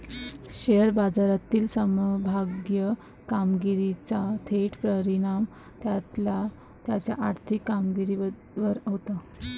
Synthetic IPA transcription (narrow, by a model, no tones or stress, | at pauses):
ɕeəɾbad͡zaɾat̪iːlsəməbʱaɡjə | kamɡiɾit͡sat̪ʰeʈpɾəɾinam | t̪jat̪la | t̪jat͡ɕja̰ʔaɾt̪ʰikːamɡiɾi | ʋəɾɦot̪a